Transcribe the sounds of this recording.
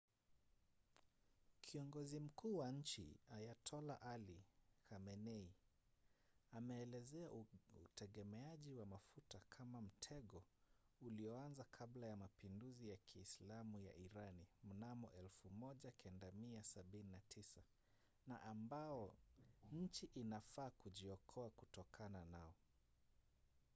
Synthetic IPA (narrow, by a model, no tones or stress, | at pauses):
kʰiɔŋɡɔzim̩kuːwaɲ̩t͡ʃḭajatʰɔla̰ʔalikamɛnɛi | amɛːlɛzɛautɛɠɛmɛaʄiwamafutakʰamam̩tʰɛɠɔuliɔanzakʰablajamapinduzijakiːslamuja̰ʔiɾanim̩namɔ̰ʔɛlfumɔʄakʰɛndamiasaɓininatʰisa | na̰ʔambaɔɲ̩t͡ʃiʔinafaːkuʄiɔkʰɔakutɔkʰananaɔ